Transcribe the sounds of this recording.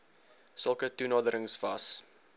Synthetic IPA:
səlˠkətunɑːdəɾəŋsvɐs

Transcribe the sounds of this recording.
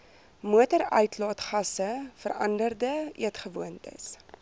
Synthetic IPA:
muətəɾœ̰ɥtʰlɑːtχɐsəfəɾɐ̰ndərdəʔiətχəvuəntə̰s

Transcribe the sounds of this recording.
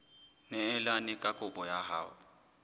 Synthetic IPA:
nɛːlanɪkʼakʼʊɓɔjaɦa̰ːwʊ

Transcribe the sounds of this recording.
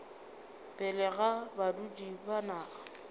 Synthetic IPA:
pʼɛlɛɣabadudibanaː

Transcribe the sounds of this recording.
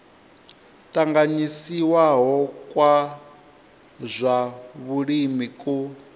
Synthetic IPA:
tʼaŋɡaɲisiwaɦɔkʼwa | zʷaβuɺimikʼu

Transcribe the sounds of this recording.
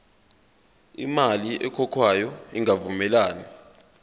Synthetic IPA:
imaliʔɛkʰɔkʰwajɔiŋavumɛlaːni

